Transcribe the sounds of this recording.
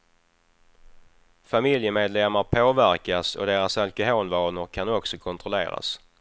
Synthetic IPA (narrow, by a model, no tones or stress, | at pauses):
famɪljəmeːd̪lɛmːaɾpʰoːvæɾkasɔ̰d̪eːɾasalkʊɦoːlvɑːnəɾkʰanɔksɔkʰɔnt̪ʰɾʊlḛːɾa̰s